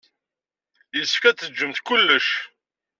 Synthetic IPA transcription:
jəsə̥fkæt͡sːəd͡ʒːəmθkʊlːəʃ

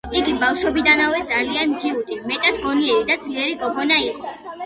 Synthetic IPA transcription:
iɡibafʃɔbid̪anawɛd̪zalianmd̪iut̪ʼimɛt̪ʼad̪ɡɔniɛɾid̪ad̪zliɛɾikʼɔbɔnaiqʼɔ

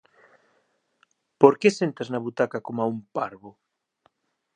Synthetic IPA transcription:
poɾkesent̪aznɐβut̪akakomaumpaɾβʊ

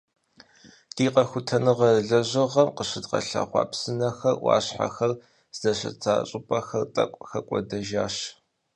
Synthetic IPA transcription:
d̥iːqɐxʷʊtʰɐnɨʁɐɮɐʑɐʁɐmqəɕɪdqɐ̰ɬa̰ːχʷɑ̰ːpsɨnɐxɐrwɑ̰ːɕħa̰xɐr | zɐɕɐ̰t͡sʰʼaːɕʼɪpʼɐxɐrtʼɐ̰kʷʼxɐkʷʼɔ̰dɐʒaːɕ

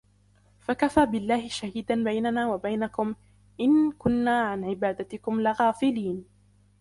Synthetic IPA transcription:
fakafaːbɪlːaːhɪʃahiːd̪anbajnanaːwabajnakʊm | ʔɪnkʊnːaːʕanʕɪbaːd̪at̪ɪkʊmlɪɣaːfɪliːn

